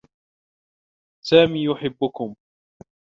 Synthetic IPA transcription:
saːmiːjʊħɪbːʊkʊm

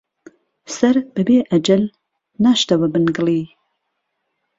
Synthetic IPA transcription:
sɐɾbɨbeːʔɐd͡ʒɐl | naːʃt̪ɐwɐbɨnɡɨliː

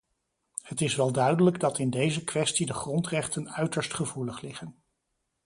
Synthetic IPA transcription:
hətɪsʋɛlˠdœɥdələɡdɑtɪndejzəkʋɛstidəχrɔntrɛχtənœɥtəɹstχəvuləχlɪχən

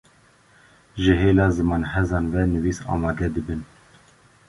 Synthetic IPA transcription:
ʒəɦeːlɑːzɨmɑːnhɛzɑːnvɛnɨviːsɑ̰ːmɑːd̪ɛd̪ɨbɨn

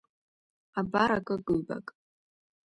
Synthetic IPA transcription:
abaɾakʼɨɡɨlba̰kʼ

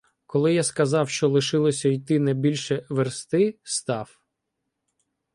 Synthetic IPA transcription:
kɔlˠɪjaskɐzɑwʃt͡ʃɔlˠɪʃɪlˠɔsʲɐijt̪ɪnɛbʲilʲʃɛʋerst̪ɪst̪ɑw

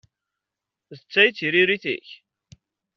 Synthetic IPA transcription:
ðət͡sːæjt͡sːiɾiɾiθḭç

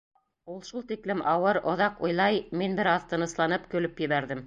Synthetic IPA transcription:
ulˠʃulˠt̪iklɘmʔɑwɤɾŏðɑqujlˠɑjminbɘ̆ɾɑðt̪ɤ̆nɤ̆slˠɑnɤpkɵ̆lɵpjɘ̆βæɾðɘm

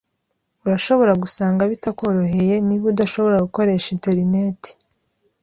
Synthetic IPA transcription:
uɾaʃo̞βo̞ɾaɡusaːŋɡaβitako̞ɾo̞ɦe̞je̞niβudaʃo̞βo̞ɾaɡuko̞ɾe̞ːʃiteɾineti̥

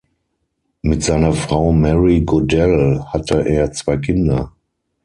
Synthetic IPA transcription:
mɪtz̥aɪnɐfʁ̥aʊmɛʁiɡodɛlhatʰəʔeːɐt͡sv̥aɪkʰɪndɐ

